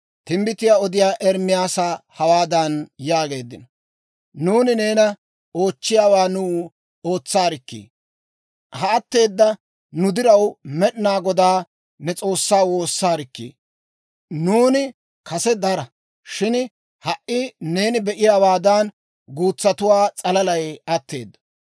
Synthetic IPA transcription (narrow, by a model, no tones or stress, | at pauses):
t̪ɪmbɪt̪ɪjaːɔd̪ɪjaːʔɛɾmɪjaːsaːhɐwaːd̪ɐnjaːɡe̞ːd̪ːɪnɐ | nuːnɪne̞ːnɐ | o̞ːt͡ʃːɪjaːwaːnuː | o̞ːt͡sːaːɾɪkːḭː | hɐɐt̪ːe̞ːd̪ːɐ | nʊd̪ɪɾɐwmɛɗnaːɡɔd̪aː | nɛt͡sʼo̞ːsːaːwo̞ːsːaːɾɪkːḭː | nuːnɪ | kʰɐsɛd̪ɐɾɐ | ʃɪn | hɐʔʔɪne̞ːnɪbɛʔɪjaːwaːd̪ɐn | ɡuːt͡sːɐt̪ʊwaːt͡sʼɐlɐlɐjɐt̪ːe̞ːd̪ːɐ̥